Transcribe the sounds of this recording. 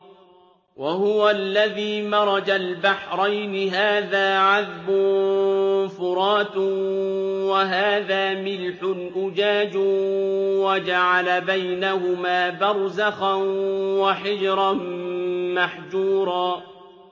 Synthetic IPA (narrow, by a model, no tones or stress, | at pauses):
wahʊwalːaðiːmɑɾˤɑd͡ʒalbaħɾˤajnɪɦaːðaːʕaðbʊ | fʊɾˤɑːt̪ | waɦaːðaːmɪlħʊlʔʊd͡ʒaːd͡ʒ | wad͡ʒaʕalabajnahʊmaːbɑɾˤzaxanwaħɪd͡ʒɾˤɑ | maħd͡ʒuːɾˤɑː